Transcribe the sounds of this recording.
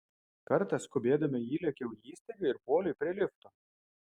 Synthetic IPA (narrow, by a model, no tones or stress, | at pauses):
kɐɾt̪ɐskʊbʲeːd̪ɐmʲɪjiːlʲɛkʲɛʊjiːsʲt̪ʲɛʋʲuɪɾpoːlʲʊjpʲɾʲiɛlʲɪft̪o